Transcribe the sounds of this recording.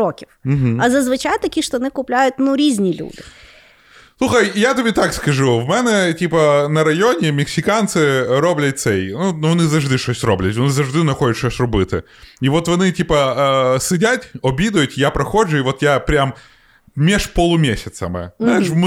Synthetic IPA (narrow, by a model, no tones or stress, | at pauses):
okʲɪfm̩ɦ̩ɐzɐzvɨt͡ɕajt̪ːɐkʲiʂt̪oɐnɨkʊplʲæjʊt̪nuɾʲizʲnʲɪlʲṵd̪ɨ | sˠuxəjat̪ɨbʲɪt̪akskɐʐuvmɛnɛtʲipənɐɾɐjonʲɪmʲɪksʲɪkant̪sɨɾoblʲɪt̪ʲsɛinunɐnɨzɐʐd̪ɨʂosʲt̪ʲroblʲɪtʲvɐnɨzɐʐd̪ɨnɐxodʲɪt̪ʂosʲt̪ʲrʊbɨt̪ɨ | ivo̞t̪vɐnɨtʲipəəsɨdʲatʲɐbʲid̪ʊjʊt̪ʲjapɾɐxoʐʊivot̪japɾʲam | mʲeʂpolˠumʲesʲɪt̪səmɨ̰zznajɪʂvm